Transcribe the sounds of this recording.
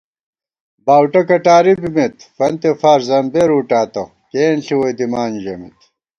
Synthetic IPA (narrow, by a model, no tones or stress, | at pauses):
baːwʈɐkɐʈaːɾibimit̪fɐnt̪efaːɾzɐmbeɾuʈaːt̪ɐ | keːnɬiwɐjd̪imaːnʑɐmḭt̪